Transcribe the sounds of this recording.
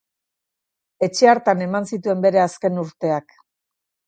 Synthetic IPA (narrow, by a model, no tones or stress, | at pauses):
e̞t͡ʃe̞aɾt̪ane̞mansit̪ue̞mbe̞ɾe̞aske̞nuɾt̪e̞ak